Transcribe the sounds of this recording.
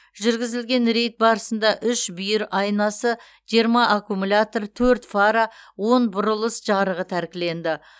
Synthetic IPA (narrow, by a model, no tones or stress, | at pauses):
ʒʏɾɡʲɪzɪlɡʲe̞nɾe̞jt̪̚bɑɾəsənd̪ɑʔʏʃbʏjɪɾɑjnɑsə | ʒ̥iɾmɑʔːkumulʲat̪o̞rt̪ʰɵɾt̪faɾawo̞nbʊɾʊlˠəsʒɑɾəʁət̪ʰæɾkʲɪle̞nd̪ɪ